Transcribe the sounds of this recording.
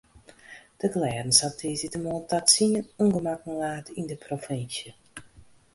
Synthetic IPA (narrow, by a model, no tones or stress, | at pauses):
d̥əklɛːdən̩satʰiːzitəmɔntatsinənuŋɡəmakən̩laːtindəprofɪnsjə